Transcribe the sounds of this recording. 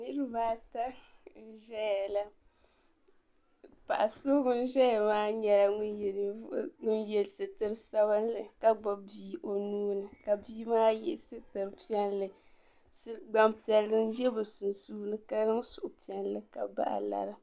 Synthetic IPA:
nɨ˦ɾɨ˦baː˦ta˦˨ | ʒɛ˦ja˨la˦ | pa˨ʔa˨soː˦ɡʊ˦n˦ʒɛ˦ja˨maː˦ɲɛ˨la˨ŋʊ˦˨˦ŋʊ˦njɛ˨lsɨ˨tɨ˦ɾsa˦ba˦n˦lɨ˨ka˦ɡ͡ba˨biː˨ʔo˨nuː˦nɨ˨ka˨biː˦maː˦jɛ̰˦sɨ˦tɨ˨ɾɨ˨pi˦ɛ˦nlɨ˦ | sɨ˦ɡ͡ba˨mpi˨ɛ˨lːɨ˦n˦ʒɛ˦bɨ˨sʊ˨n˨suː˦nɨ˦ka˦nɨ˦ŋ˦sʊ˨ʔʊ˨pi˨˦ɛ˦nlɨ˦ka̰˨ba̰˦ʔa̰˨la̰˨ɾɨ˦

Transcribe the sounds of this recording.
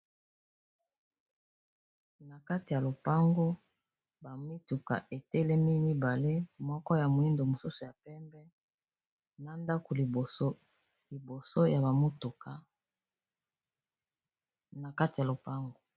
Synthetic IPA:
na˨ka˦ti˨ja˨lo˨pa˦ŋɡo˦ | ba˨mi˦tu˨ka̰˨ʔe˨tɛ˦lɛ˦mi˦ni˦ba˨le˦mɔ˦kɔ˦ja˨mo˨i˦ndo˨mo˨su˦su˨ja˨pɛ˦mbɛ˦ | na˨nda˦ko˨l | li˨bo˨so˦ja˨ba˨mo˦tu˨ka˨ | na˨ka˦ti˨ja˨lo˨pa˦ŋɡo˦

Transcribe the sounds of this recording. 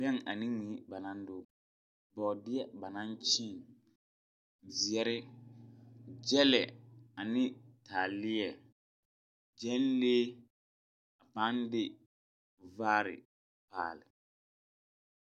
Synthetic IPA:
bɛ˦ŋa˨nĩ˦ŋi˨˦ba˨nã˦ndʊ˦ | bɔ˨dɪ˦ɛ˦ba˨nã˦nt͡ʃɪ˦˨ŋ | zɪ˨ɛ˦ɾɪ˦ | d͡ʒɛ˦lɛ˨a˨nɪ̃˦taː˨lɪ˦ɛ˨ | d͡ʒɛ˦n˦leː˦ | a˨pa˦ndɪ˦ | vaː˦ɾɪ̰˨ | pa̰ː˨lɪ˨

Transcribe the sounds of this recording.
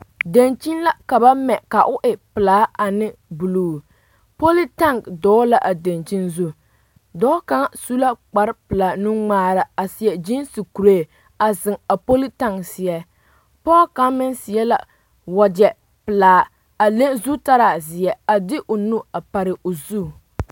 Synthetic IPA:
de˨nt͡ʃi˦nla˦ka˨ba˦mɛ˨ka˨ʔʊ˦ʔɪ˨pɨ˨laː˦a˨nɪ˦bu˨luː˨ | po˦li˦ta˦˨ŋdɔː˨˦la˦ʔa˨de˨nt͡ʃi˦nzu˦ | dɔː˦ka˦ŋ˦su˦la˦k͡pa˨ɾɪ˦pɨ˨laː˨nu˦ŋ͡maː˦ɾa˨a˨si˨jɛ˨d͡ʒi˦nsi˨ku˨ɾeː˦˨ | a˨zɪ˨ŋa˨po˦li˦ta˦ŋsɪ˨ɛ˦ | pɔː˦ka˦mɪ˦nsɪ˨ɛ˦la̰˨ | wa˨d͡ʒɛ˨ | pɨ˨laː˨˦ | a˨le˦nzu˦ta˦ɾa˨zɪ˨ɛ˨a˨dɪ˦ʔʊ˨nu˦a˨pa˨ɾɪ˨ʔʊ˨zuː˦˨

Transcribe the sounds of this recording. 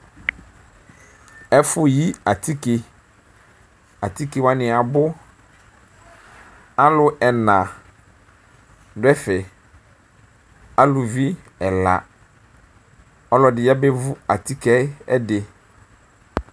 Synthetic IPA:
ɛ˦fʊ˦ji˦a˨t̪i˦ke˨ | a˨t̪i˦ke˨wa˦nɪ̃˨a˨bʊ˦ | a˦lʊ˦ɛ˨nã˨ | dʊ˦ɛ˦fɛ˨ | a˦lʊ˨vi˦ | ɛ˨la̰˨ | ɔ˦lɔ˨dɪ˨jɛ˦bɛ˦vʊ˦a˨t̪i˦kɛ˦ɛ˦dɪ˨

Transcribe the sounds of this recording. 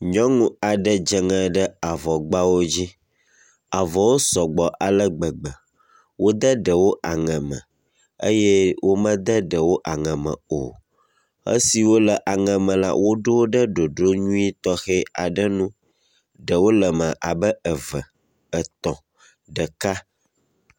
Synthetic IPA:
ɲɔ̃˦ŋũ˦a˨ɖə˦d͡ʒə˨ŋɛ̃˨ɖə˦a˨vɔ˨ɡ͡ba˦wo˦d͡ʑi˦ | a˨vɔ˨wo˦sɔ˨ɡ͡bɔ˨ʔa˨lə˦ɡ͡bə˨ɡ͡bə˨ | wo˦d̪ə˦ɖə˨wo˦ʔa˨ŋɛ̃˨mə̰̃˨ | ə̰˦jɛ˦wʔo˦mə̃˦d̪ə˦ɖə˨wo˦ʔa˨ŋɛ̃˨mə̰̃˨o̰˨ | ə̰˦si˨wo˦lə˨ʔa˨ŋɛ̃˨mə̃˨la̰˦wʔo˦ɖo˦wo˦ɖə˦ɖo˨ɖo˦ɲũ˦i˦t̪ɔ˦xɛ˦a̰˨ɖə˦nũ˦ | ɖə˨wo˦lə˨mə̃˨ʔa̰˨bə˦ə˨və˨ | ə˨t̪ɔ̃˨ | ɖə˨ka˦

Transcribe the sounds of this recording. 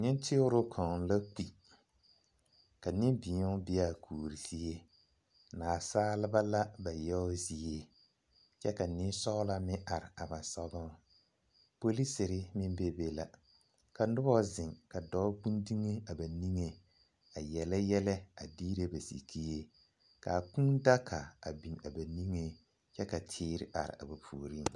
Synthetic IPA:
ɲɪ˦ntʰɪ˦ʊ˦ɾʊ˦kʰɔ̃˨la˦k͡pi˨ | ka˨nɪ˦mbɪ˨˦ɔ˦bɪ˦a˦˨kʰuː˨ɾi˨si˦e˦ | naː˨saː˦lɪ˦ba˦la˦ba˨jɛ˦ʊ˦zi˦e˦ | t͡ʃɛ˦ka˨nɪ˦n˦sɔ˦ɣla˦mɪ˦ʔa˨ɾɪ˨a˨ba˨sɔ˦ɡɔ˦ | po˦li˦sɪ˨ɾɪ˦mɪ˦mbe˦be˦la̰˨ | ka˨nʊ˦bɔ˦zɪ˨ŋka˨dɔ˦k͡pũ˦ndi˦ŋe˦a˨ba˨ni˦ŋe˦ | a˨jɛ˨lɛ˦jɛ˦lɛ˦a˨diː˦ɾe˦ba˨sḭ˨kʰi˦e˦ | ka˨k͡pũ˦da˦kʰa˨a̰˨bi˨na˨ba˨ni˦ŋe˦ | t͡ʃɛ˦ka˨tʰɪː˦ɾɪ̰˨ʔa̰˨ɾɪ̰˨a̰˨ba˨pʰuː˨ɾi˦˨ŋ

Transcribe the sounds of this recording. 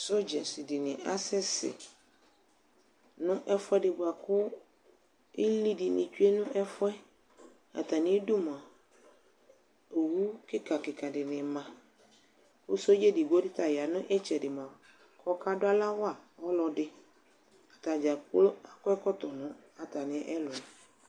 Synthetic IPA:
so˦d͡ʒɛ˨sɪ˨di˨nɪ̃˨ʔa˦sɪ˦sɪ̰˨ | nʊ̃˦ʔɛ˦fɛ˦dɪ˨bʊ˨a˨kʊ˦ | ɪ˦li˦dɪ˨nɪ̰̃˨t͡ʃu˦e˦nʊ̃˦ʔɛ˦fʊ˦ɛ˦ | a̰˨ta˨nɪ̃˦du˦m˨a˨ | o˨wu˦kɪ˦ka˨kɪ˨ka˨dɪ˨nɪ̃˨mã˨ | o˦so˦d͡ʒe˦dɪ˨bo˦dɪ˦ta˨ja˨nʊ̃˦ʔɛ˦t͡ʃɛ˨dɪ˨mʊ˨a˨ | kʰɔ˦kʰa˦dʊ˦a˦la˦wa˦˨ɔ˦lɔ˨dɪ˦ | a˨ta˨d͡ʒa˨kla˨kʊ˦ɛ˦kɔ˦tɔ˨nʊ̃˦ | a˨ta˨nɪ̃˨˦ʔɛ˦lɔ˨

